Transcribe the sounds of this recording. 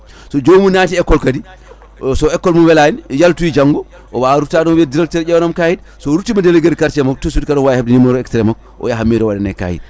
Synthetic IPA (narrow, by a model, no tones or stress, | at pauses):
sɔd͡ʒomunatiɛkːɔlkadi | sɔɛkːɔlmuwɛlanjaltuwid͡ʒaŋɡɔ | ʔɔwaɾutadɔmwɛdiɾaltɛɾɛwnamkahid | sɔɾutːimadɛleɡeɾkaɾt͡ʃɛmak̚tusudikadɔwajhab̚dinimɔɾɔɛkstɾɛmak̚ | ɔ̰jaɦamːiɾɔwadɛnɛ̰ka̰ːhḭd̚